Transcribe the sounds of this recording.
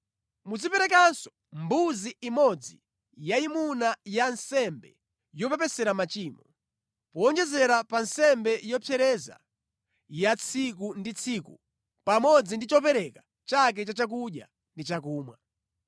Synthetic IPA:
muzipɛɾɛk̬ansɔ̥ | mbuziimɔd͡zi | jaimunajansɛmbɛ̰ | jɔpɛpɛsɛɾamat͡ʃiːmɔ | pɔːnd͡ʒɛzɛɾapansɛmbɛjɔpʰɛɾɛza̰ | jat͡sʰik̬undit͡sʰikṵ | pamɔd͡zindit͡ʃɔpɛɾɛka | t͡ʃak̬ɛt͡ʃat͡ʃak̬uɗja̰ | ndit͡ʃakuːmwa̰

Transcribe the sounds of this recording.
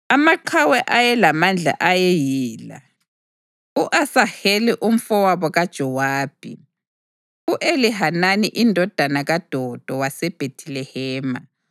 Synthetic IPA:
amaǃʰawɛʔajɛlamand͡ɮʱa̰ʔajɛjiːla̰ | uʔasaheliʔum̩fɔwaβɔɣad̥ʒ̥ʱɔwaːb̥ʱḭ | uʔeliɦananiʔindʱɔd̥ʱanaɣad̥ʱɔd̥ʱɔwasɛb̥ʱetʰilɛhɛːma

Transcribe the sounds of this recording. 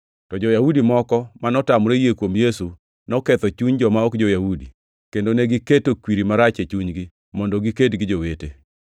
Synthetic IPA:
tɔd͡ʒɔjahudimɔkɔmanɔtamɾejekwomjesu | nɔkɛt̪ɔt͡ʃuɲd͡ʒɔmaɔkd͡ʒojahudi | kendoneɡɪketokwiɾimaɾat͡ʃet͡ʃuɲɡɪ | mɔndɔɡiketɡɪd͡ʒowete

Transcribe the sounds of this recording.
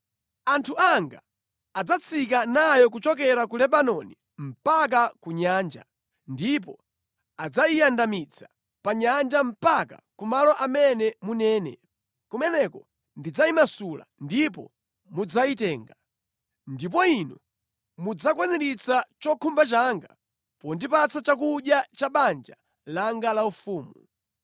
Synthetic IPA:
antʰuaŋɡa̰ | ad͡zat͡sʰikanajɔk̬ut͡ʃɔk̬ɛɾakulɛbanɔni | m̩pak̬akuɲaːnd͡ʒa̰ | ndip̬ɔ | ad͡zaijandamit͡sʰḁ | paɲand͡ʒam̩paka̰kumalɔʔamɛnɛmunɛːnɛ̰ | kumɛnɛkɔ | ndid͡zaimasula̰ndip̬ɔ̰ | mud͡zaitɛːŋɡa | ndip̬ɔinu | mud͡zakwɛnɛɾit͡sat͡ʃɔkʰumbat͡ʃaŋɡa | pɔndipat͡sat͡ʃak̬uɗjat͡ʃaɓand͡ʒa | laŋɡalaufuːmu

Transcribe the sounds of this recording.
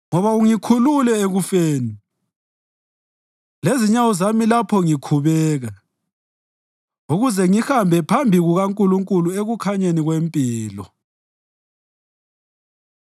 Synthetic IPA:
ŋɔβauŋikʰululɛeɣufeːni | leziɲawuzamilapʰɔŋikʰuβɛːɣa | uɣuzɛŋixambʱɛpʰambʱiɣuɣaŋkʼuluŋkʼulueɣukʰaɲeniɣwempʼiːlɔ̰

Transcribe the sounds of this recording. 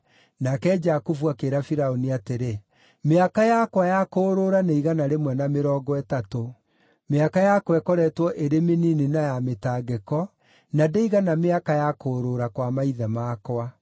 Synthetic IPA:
nakɛd͡ʒakufuakeɾafiɾaoniateɾe | meakajakwajakoːɾoɾaneiɣanaɾemwɛnameɾɔːɡɔɛtato | meakajakwɛkɔɾɛtwɔʔeɾemeninenajametaɡɛkɔ | nadeiɣanameakajakoɾoɾakwamaiðamaːkoa

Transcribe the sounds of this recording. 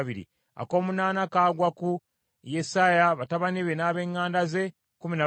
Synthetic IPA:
βiɾḭ | a̰ko̞ːmunaːnakaːɡwaku | jesaːjaβataβaniβe̞naːβe̞ːŋːaːndaze̞ | kumina

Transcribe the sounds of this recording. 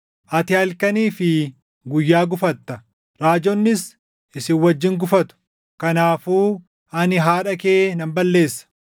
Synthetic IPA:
ʔɐt̪ɪɐlkɐniːfɪ | ɡʊjːaːɡʊfɐt̪ːɐ | ɾaːd͡ʒɔnːɪs | ɪsɪnwɐd͡ʒːɪŋɡʊfɐt̪ʊ̥ | kɐnaːfuː | ɐnɪɦaːᶑɐkeːnɐmbɐlːe̞ːsːɐ̥

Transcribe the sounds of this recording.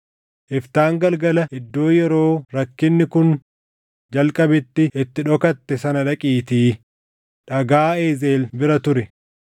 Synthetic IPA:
ʔɪft̪aːŋɡɐlɡɐlɐɪd̪ːo̞ːjɛɾo̞ːɾɐkːɪnːɪkʊn | d͡ʒɐlkʼɐbɪt̪ːɪʔɪt̪ːɪᶑɔkɐt̪ːɛsɐnɐᶑɐkʼiːt̪iː | ᶑɐɡaːeːzeːlbɪɾɐt̪ʊɾɛ

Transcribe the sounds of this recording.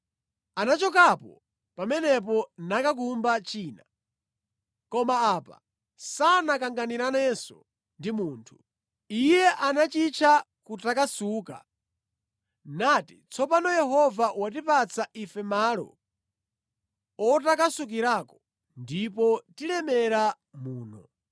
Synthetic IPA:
anat͡ʃɔkapɔ̰ | pamɛnɛp̬ɔnakakumbat͡ʃiːna | kɔmaaːpa̰ | sanakaŋɡaniɾanɛsɔ̰ | ndimuːntʰu | ijɛʔanat͡ʃit͡ʃʰa | kutakasuːka̰ | naːtit͡sʰɔpanɔjɛɦɔvawat̬ipat͡sʰaifɛmaːlɔ̰ | ɔtakasuk̬iɾaːkɔ̥ | ndipɔtilɛmɛɾa | muːnɔ

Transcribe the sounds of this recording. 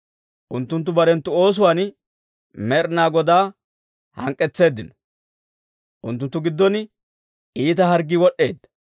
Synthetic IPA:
ʔʊnt̪ːʊnt̪̬ːʊbɐɾɛnt̪ːʊo̞ːs̬ʊwaːn | mɛɾnaːɡɔd̪aː | hɐ̰ŋkʼːɛt͡sːe̞ːd̪ːɪnɔ̥ | ʔʊnt̪ːʊnt̪ːʊɡɪd̪ːɔn | iːt̪ɐɦɐɾɡɪwɔɗːe̞ːd̪ːɐ̥

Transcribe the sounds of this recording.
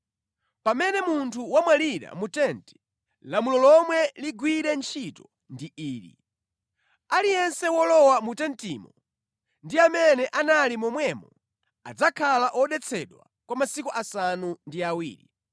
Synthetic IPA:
pamɛnɛmuntʰuwamwaliɾa̰mutɛnti̥ | lamulɔlɔmwɛliɡwiɾɛnt͡ʃʰitɔ | ndiʔiːɾḭ | alijɛnsɛwɔlɔwamutɛntiːmɔ | ndiamɛnɛʔanalimɔmwɛmɔ | a̰d͡zakʰalaʔɔɗɛt͡sʰɛɗwa | kwamasikuʔasanundiawiːɾḭ

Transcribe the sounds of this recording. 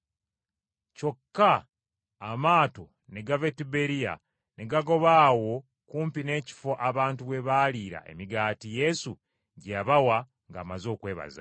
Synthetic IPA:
co̞kːaː | maːto̞ | ne̞ɡave̞tibe̞ɾija̰ | ne̞ɡaɡo̞βaːwo̞ | kuːmpine̞ːci̥fo̞ʔaβaːntuwe̞βaliːɾa̰ʔe̞̰miɡaːtije̞su | ɟeaβawa | ŋɡa̰ːmazo̞ːkwe̞ːβa̰za̰

